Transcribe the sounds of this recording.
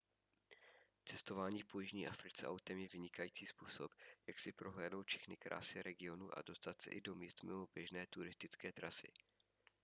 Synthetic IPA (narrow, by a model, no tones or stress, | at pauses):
t͡sɛst̪o̞vaːɲiːpojɪʒɲiːʔafɾɪt͡sɛ̰ʔawt̪ɛmjɛvɪɲɪkajiːt͡siːspuːsopjaksɪpɾoɦlɛːdnowt̪fʃɛxnɪkɾʔa̰ːsɪɾɛɡɪo̞nṵʔa̰do̞st̪at̪sɛ̰ʔɪdo̞miːst̪mɪmobjɛʒnɛːt̪uɾɪst̪ɪt͡skɛːt̪ɾasɪ̰